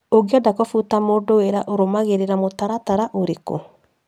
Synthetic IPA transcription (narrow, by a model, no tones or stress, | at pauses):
oɡiadakɔfutamodoweɾaʔoɾomaɣeɾeɾamotaɾataɾaʔoɾeko̰